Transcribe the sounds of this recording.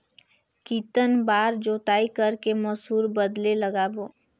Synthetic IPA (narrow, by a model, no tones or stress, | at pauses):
kiːt̪ənbaːɾd͡ʒoːt̪aːikəɾkeməsɦuːɾbəd̪leləɡaːboː